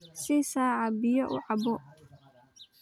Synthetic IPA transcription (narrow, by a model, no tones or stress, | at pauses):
sɪsaːʕɑbɪjɔʔʊ̰ʕɑbɔ